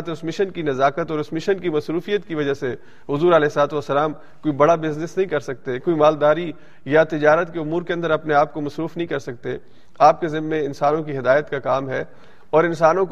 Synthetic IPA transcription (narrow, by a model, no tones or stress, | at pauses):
t̪ʊsmɪʃənkinɐzaːkət̪ɔːɾʊsmɪʃənkimɐsɾuːfijət̪kiʋɐd͡ʒaɦse | ɦʊzuːɾɐlɛːslaːt̪ʋɐsːɐlaːm | koːibɐɽabɪznɪsnɐɦĩkɐɾsɐk̚t̪ekoːimaːld̪aːɾi | jat̪ɪd͡ʒaːɾət̪keʊmuːɾkeɐ̃nd̪əɾɐpneaːp̚komɐsɾuːfnɐɦĩkɐɾsɐk̚t̪e | aːp̚kezɪmmːẽɪ̃nsaːnõkiɦɪd̪aːjət̪kakaːmɦɛ | ɔːɾɪnsaːnõk